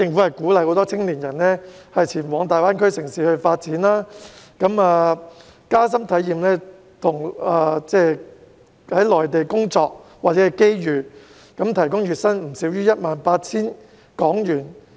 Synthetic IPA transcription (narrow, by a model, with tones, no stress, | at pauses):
tɪ˧ŋfu˨˥hɐ˨jkuː˨˥lɐ˧jho˨˧wt̪ɔː˥t͡sʰɪ˥ŋliː˨˩njɐ˨˩nlɛː˥hɐ˨jt͡sʰiː˨˩nwɔː˨˧ŋt̪aː˨jwaː˥nkʰɵ˥ɥsɪ˨˩ŋsiː˨hɵ˧ɥfaː˧t̚t͡siː˨˥nlaː˥kɐ˨˥maː˧ | kaː˥s̬ɐ˥mt̪ʰɐ˨˥jiː˨mlɛː˥ | t̪ʰʊ˨˩ŋaː˧t͡sɛː˥ | hɐ˨˥jlɔː˨˩jt̪e˨jkʊ˥ŋt͡sɔː˧k̚waː˨t̚t͡sɛ˨˦˥ɐ˧˨jke˥jjyː˨ | kɐ˨˥mt̪ʰɐ˨˩jkʊ˥ŋɥyː˨t̚sɐ˥nm̩˨˩siː˨˥wjyː˥jɐ˥t̚maː˨npaː˧t̚t͡sʰiː˥n | kɔː˨˥ŋjyː˨˩n